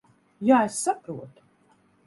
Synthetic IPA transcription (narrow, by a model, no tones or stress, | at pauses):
jaːesːapɾuɔt̪